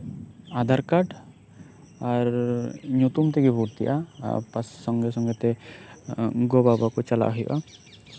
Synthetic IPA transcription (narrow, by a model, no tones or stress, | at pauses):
ad̪ʱaɾkaʈ | aɾɲut̪umt̪ɛɡɛbʱuɾt̪ijʔa̰pasːɔŋɡɛsɔŋɡɛt̪ɛ | ɡɔbabakɔt͡ʃala̰ʔɦijʔa̰